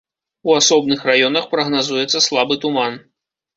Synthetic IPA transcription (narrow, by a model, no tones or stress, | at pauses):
uasɔb̚nɨxrajɔnɐxpɾɐɣnazujɛt̪sɐslˠabɨt̪uman